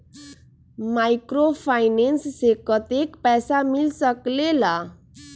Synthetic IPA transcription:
majkɾopʰajnenssekət̪ekpɛsamilsəklela

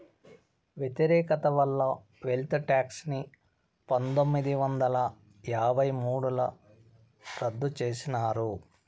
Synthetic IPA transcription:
ʋjet̪iɾɛːkɐt̪ɐʋɐlːɐ | ʋelt̪ʈaːksni | pɐnt̪omːid̪iʋɐnd̪ɐlɐ | jaːbʱɐjmuːɽulɐ | ɾɐd̪ːut͡ʃeːsinaːɾu

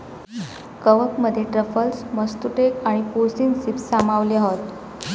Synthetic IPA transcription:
kəʋəkməd̪ʱːjeʈɾəfəlsməst̪uʈekaɽ̃ipuɾsiːnsipsːamaʋliaɦot̪

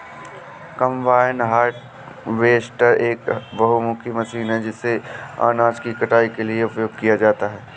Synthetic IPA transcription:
kɐ̃mbaːɪnɦaːɾʈ | ʋeːsʈəɾeːkbɐɦumʊkʰimɐsiːnɦɛd͡ʒɪsːea̰ːnaːd͡ʒkikɐʈaːikelieʊpjoːɡkijad͡ʒaːt̪aɦɛː

